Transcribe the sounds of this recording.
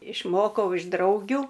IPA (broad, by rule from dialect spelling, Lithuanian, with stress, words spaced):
ɪʃˈmoːkɐʊ ɪʃ ˈdrɐʊɡʲʊ